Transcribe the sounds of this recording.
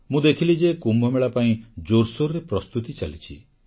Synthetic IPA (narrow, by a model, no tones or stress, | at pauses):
mũd̪ekʰilid͡ʒekumbʱɔmeɭapaĩd͡ʒoɾsoɾɾepɾɔst̪ut̪it͡ʃa̰lit͡ʃʰi